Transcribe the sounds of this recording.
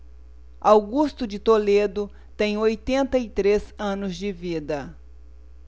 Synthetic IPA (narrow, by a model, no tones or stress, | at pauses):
awɡust̪ʊd͡ʒɪt̪oled̪ʊ | t̪ẽj̃ojt̪ẽnt̪ɐɪt̪ɾezɐ̃nʊzd͡ʒɪvid̪ɐ